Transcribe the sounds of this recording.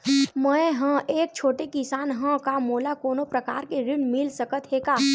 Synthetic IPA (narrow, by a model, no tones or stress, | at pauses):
mə̃eɦə̃ʔeːk̚t͡ʃʰoːʈekɪsaːnɦə̃kamoːlakoːnopɾɐkaːɾkeɾɪnmɪlsəkət̪ɦeːkaː